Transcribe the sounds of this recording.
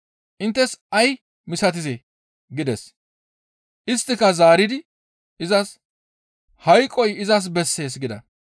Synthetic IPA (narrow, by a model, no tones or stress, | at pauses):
ʔɪnt̪ːɛsɐj | mɪsɐt̪̬ɪze | ɡɪd̪ɛs | ʔɪst̪ːɪkɐzaːɾɪd̪ɪ | ɪzɐs | hɐjkʼːɔjɪzɐs̬bɛsːe̞ːs̬ɡɪd̪ɐ̰